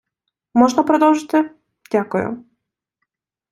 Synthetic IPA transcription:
mɔʐnɐpɾɐd̪ɔwˠʐɨt̪ʲɪ | dʲakʊjʊ̰

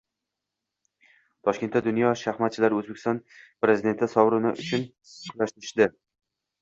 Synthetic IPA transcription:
t̪ʰɒʃkʲe̞nt̪ːad̪ʊnjɒʃaχmat̪̚t͡ʃʰɪlaɾɵzbekʲʰɪsɒnpɾe̞zɪd̪e̞nt̪ʰɪsɒwɾɪnɪ̰ʔʊt͡ʃʰʊnʰ | laʃt̪ɪɾɪʃd̪ɪ

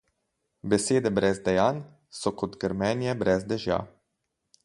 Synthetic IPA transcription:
bɛseːd̪ɛbɾɛzd̪ɛjaːn | sɔkɔt̪ɡəɾmɛːnjɛbɾʔɛzd̪ɛʒja̰

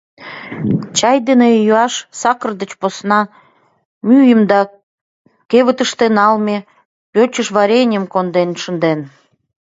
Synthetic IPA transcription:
t͡ɕɑjd̪enejuɑʃsɑkərd̪ət͡ɕposnɑ | myjəmd̪ɑ | keβət̪əʃt̪enɑlme | pʲøt͡ɕəʃβɑɾʲenʲəmkond̪enʃənd̪en

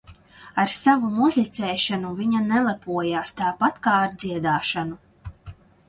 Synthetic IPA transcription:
aɾsavumuzlit̪sɛːʃanuviɲanɛlˠɛpuɔjaːst̪aːpat̪kaːaɾd̪ziɛd̪aːʃanu

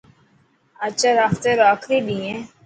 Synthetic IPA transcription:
at͡ʃaɾaːft̪eɾoaːkʰɾiɗ̪iẽ

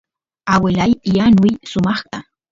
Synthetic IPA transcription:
awelajjanʊjsʊmɑχt̪ɑ

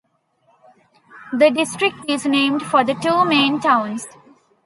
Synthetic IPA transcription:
d̪əɖɪsʈɾɪk̚ʈɪznẽːmɖfɔɾd̪əʈuːmẽːnʈãʊ̃ns

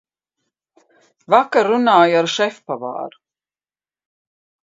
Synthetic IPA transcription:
vakaɾːunaːjaɾʃɛfpava̰ːɾu

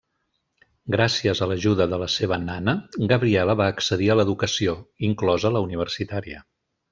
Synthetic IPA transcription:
ɡɾasiəzələʒuðəðələseβ̞ənanəɡəβɾiɛləβaːksəðiələðukəsioiŋklɔzələuniβ̞ərsit̪aɾiə

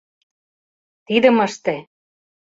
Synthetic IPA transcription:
t̪id̪ə̆məʃt̪ĕ

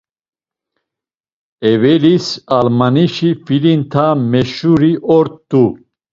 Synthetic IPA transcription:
ɛvɛlisalmaniʃifilint̪ʰamɛʃuɾiʔɔɾt̪ːu

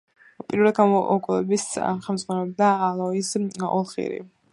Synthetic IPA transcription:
pʼiɾvlɛd̪ɡamɔʔɔkʼulɛbisχɛlmd̪zʁwanɛlɛb̚d̪aːlˠɔisɔ̰lˠχḭɾḭ

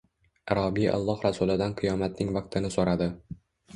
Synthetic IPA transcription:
aɾɒbiʔa̰lˠːɒhɾasʊlɪd̪anqʰɨjɒmat̪̚nɪŋvɑq̚t̪ʰɪnɪsoɾad̪ɪ

